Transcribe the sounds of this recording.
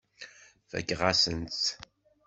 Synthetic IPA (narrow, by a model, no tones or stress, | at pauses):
fæ̰kːʁasənt͡s